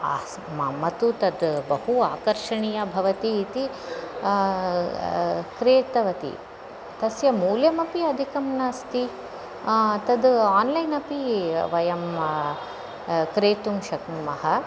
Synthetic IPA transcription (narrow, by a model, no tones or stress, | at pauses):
mɐmɐt̪ut̪ɐd̪bɐhuaːkɐɾʃɐɳijɐbʱɐʋɐt̪iːt̪i | kɾeːt̪ɐʋɐt̪ḭ | t̪ɐsjɐmuːljɐmɐpiɐd̪ʱikɐmnaːst̪i | t̪ɐd̪aːnlɐjnɐpiʋɐjɐm | kɾeːt̪umʃɐknumɐɦɐ